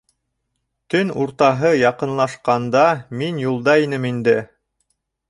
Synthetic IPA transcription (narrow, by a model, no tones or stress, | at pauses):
t̪ɵnuɾt̪ɑɦɤjɑqɤ̆nlˠɑʃqɑnd̪ɑminjulˠd̪ɑinɘmind̪ɘ